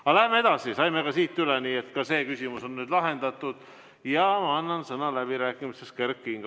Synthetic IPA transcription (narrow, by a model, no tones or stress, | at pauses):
ɑlæɦemeed̪̥ɑsisɑjmeɡɑsiːt̪ˑːyleniːet̪kɑse̞ːkysʲimuso̞nːyːd̪lɑɦe̞nd̪̥ɑt̪ːˑud̪̥ | jɑmɑɑnːɑnsɤnɑlæb̥iɾæːkːˑimiseskerkːˑiŋɡ̥